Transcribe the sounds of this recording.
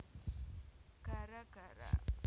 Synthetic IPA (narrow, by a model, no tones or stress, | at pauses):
kaɾakaɾa̰